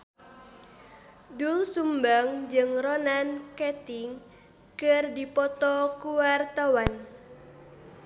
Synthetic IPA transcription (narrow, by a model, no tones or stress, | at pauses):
dulsumbaŋd͡ʒɨŋrɔnankɛt̪iŋ | kɨrdipɔt̪ɔkuwart̪awan